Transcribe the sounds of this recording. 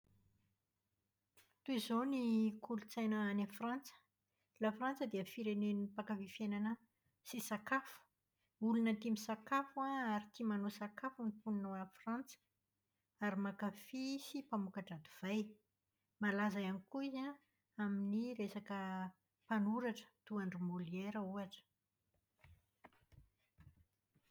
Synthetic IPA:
t̪uizonikʰulut͡sajnaanafrant͡sə̥ | lafrant͡səd̪iəfiɾeneniipakafifjenanə | sisakafu̥ | ulunət̪imisakafuaaɾit̪imanosakafunipuninowafrant͡sə̥ | aɾimakafisipamukaʈ͡ʂad̪uv̥aj | malazaanikuiza | aminiɾesakə | panuɾaʈ͡ʂə̥t̪uaɳɖ͡ʐumolieɾəuaʈ͡ʂə̥

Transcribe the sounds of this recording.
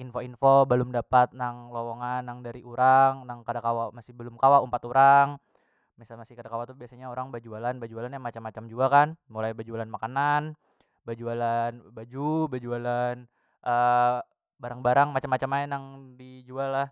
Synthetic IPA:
infoinfobəlʊmdapat̪̚naŋloloŋanːaŋdaɾiʔuɾaŋnaŋkadakawamasɪhbəlʊmkawaumpat̪uɾaŋ | misalmasɪhkadakawat̪ubiasaɲaoɾaŋbad͡ʒualanbad͡ʒualanjaŋmat͡ʃamːat͡ʃamd͡ʒuakanmulajbad͡ʒualanmakanan | bad͡ʒualanbad͡ʒubad͡ʒualan | ʔə | baɾaŋbaɾaŋmat͡ʃamːat͡ʃamaɛnaŋdid͡ʒualːah

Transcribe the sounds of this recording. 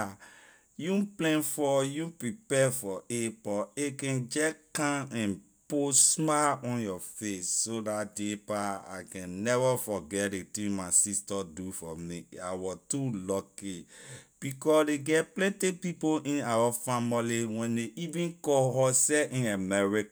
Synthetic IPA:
juplɛ̃nfɔjũpɹipɛfɔepɔekɛ̃nd͡ʒɛkãɛ̃n | posmaɔ̃njɔfesːodat̚depaa̰kɛ̃nːɛvafɔɡɛtdetĩŋmaɪsistɔdufɔmiawɔtulɔkib̥ikɔsdeɡɛtplɛ̃ntipipoʔĩnawafamiliwɛ̃ndeʔivĩnkɔɦɔsɛʔĩnamɛɹik

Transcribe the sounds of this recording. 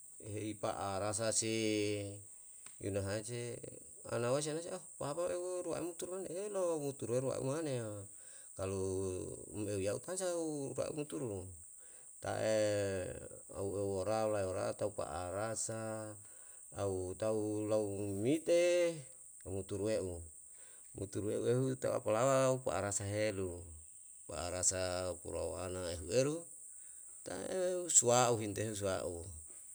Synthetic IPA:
ɦeipa̰ʔaɾas̬asi | jṵnaɦat͡ʃe | a̰nawas̬ianasiaupapaeɾua̰ʔḭmut̪uɾmaneelomut̪uɾueɾua̰ʔṵmane | kalu | meujaṵp̪ansaurua̰ʔṵmut̪uɾu | t̪a̰ʔe | a̰uewoɾalaeoɾa̰t̪aupa̰ʔa̰ɾasa | ut̪aulaumit̪e | amut̪uɾueʔu | mʔṵt̪uɾueʔueɦut̪aṵa̰palawaupa̰ʔaɾasaɦelu | pa̰aɾasakṵɾa̰o̰a̰naeɦueɾu | t̪a̰eusuauɦint̪eɦus̬uaʔu

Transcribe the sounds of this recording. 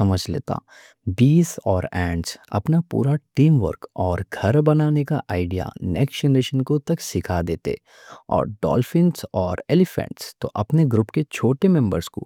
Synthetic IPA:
ɐməd͡ʒʱlḛːt̪a̰ | biːzɔːɾɛ̃ːɳɖʈsɐ̰pnapṵːɾaʈiːmʋə̰ɾkɔːɾɡʱɐɾbɐnaːneka̰ʔaːɪɖija̰nɛ̰ːksd͡ʒɛnɾeːʃənkot̪ɐksɪkʰad̪eːt̪ḛ | ɔ̰ːɾɖɔ̰ːlfɪ̃ɳʈsɔːɾelɪfɛ̰̃ɳʈst̪o̰ʔɐpneɡɾʊpket͡ʃʰoːʈemɛ̃mbəɾsko̰

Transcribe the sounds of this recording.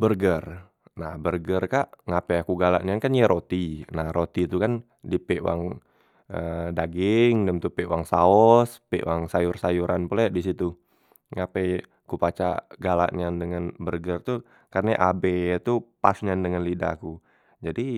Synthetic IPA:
bərɡər | nahbərɡərkaʔŋapɛjakuɡala̰ʔɲankanjaɾot̪inahɾot̪it̪ukan | dipeʔwa̰ŋ | ʔədaɡɪŋdəmt̪upeʔwaŋsaɔspḛʔwaŋsajʊrsajuɾanpulaʔdisit̪u | ŋapɛ | kupat͡ʃa̰ɡala̰ʔɲandəŋanbərɡərt̪u | karnaʔabet̪upa̰sɲandəŋanlida̰ku | d͡ʒadi

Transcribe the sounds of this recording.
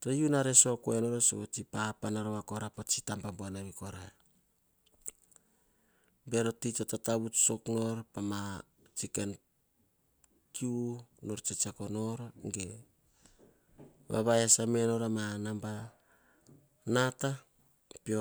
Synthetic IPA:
tejunaɾesokoeno̞ɾosoβot͡ʃipapanaɾoβako̞ɾapot͡ʃitambamboanaβiko̞ɾa | be̞ɾo̞titotataβutsokno̞ɾpama | t͡ʃiken | kiuno̞ɾt͡ʃet͡ʃakono̞ɾŋɡe | βa̰βaesameno̞ɾamanamba | nata | pio

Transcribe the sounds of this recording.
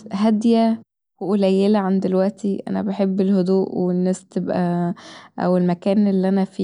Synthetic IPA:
ɦæd̪jæ | woʔolæjːelæʕand̪elwæʔt̪iʔæ̰næbeħebːelhod̪uːʔwenːæːst̪ebʔæ̰ | ʔæ̰welmækæːnelːiʔænæfiː

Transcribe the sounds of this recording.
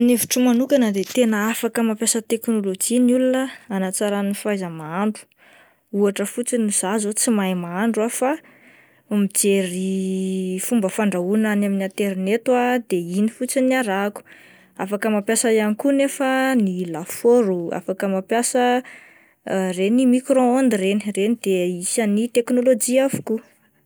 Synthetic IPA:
neviʈ͡ʂumanukanəd̪et̪enəafakəmapjasət̪eknolod͡ʒinulunəanat͡saɾanifajzəmaaɳɖ͡ʐu̥ | uaʈ͡ʂəfut͡siniz̥azot͡simajmaaɳɖ͡ʐwafa | mid͡zeɾi | fumbəfaɳɖ͡ʐaunanaminiat̪eɾinet̪wad̪einifut͡siniaɾaku̥ | afakəmapjasajanikunefanilafoɾua̰fakəmapjasə | renimikɾõond̪ireni̥renid̪eisanit̪eknolod͡ʒiavu̥ku

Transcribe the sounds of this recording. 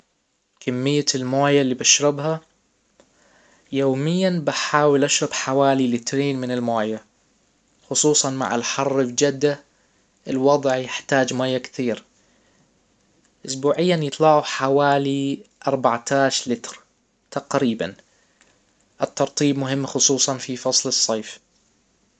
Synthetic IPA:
kamːɪjːalmaːjalːiːbaʃɾɪbɦa | joːmɪjːanbaħaːwɪlʔaʃɾˤɑbħawaːlilɪt̪ɾiːnmɪnɪlmaːja | xʊsˤuːsˤɑnma̰ʕɪ̰lħɑrˤːɪfd͡ʒad̪ːa | ʔɪlwɑd̪ˤʕjɪħt̪aːd͡ʒmaːjːakθiːɾ | ʔʊsbuːʕɪjːanjɨt̪ˤlɑʕuħawaːliʔɑɾˤbaʕt̪ʰaːʃlɪt̪ɾ | t̪aqɾiːba̰n | ʔɪt̪ːɑɾˤt̪ˤiːbmʊɦɪmːxʊsˤuːsˤɑnfifɑsˤlɨsˤːɑːf

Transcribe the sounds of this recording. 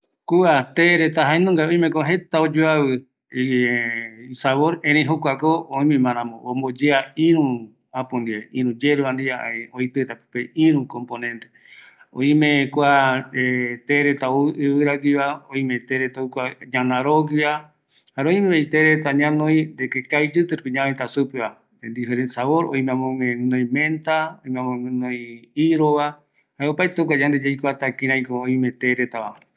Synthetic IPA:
kuat̪eɾet̪aɦaenũŋɡaõj̃mẽkoaɦe̞t̪aod͡ʒoaβɨ | isaβoɾẽɾẽj̃ɦokʷakooĩmĩmãɾ̃ãmõombod͡ʒeaĩɾũ | ãpũnd̪ieʔĩɾũd͡ʒeɾuãnd̪iaʔaioit̪ɨt̪apɨ̥peĩɾũkomponẽ̞nt̪e | õ̰ĩmẽkʷaet̪eɾet̪aoʔɨβɨɾaɡiβaoĩmet̪eɾet̪aukʷaɲãnãɾoɡia | haɾoĩmẽejt̪eɾet̪aɲãnõj̃nd̪ekekajd͡ʒɨt̪ɨɾpiɲãẽt̪asupeβa | nd̪ifeɾensaβoɾo̰j̃mẽãmõmẽɨ̃nõj̃mẽnt̪aoĩmẽãmõɨ̃nõj̃iɾoβa | haeopaet̪ok̬ʷad͡ʒand̪ed͡ʒejkoat̪akĩɾãj̃kooĩmet̪eɾet̪aβa

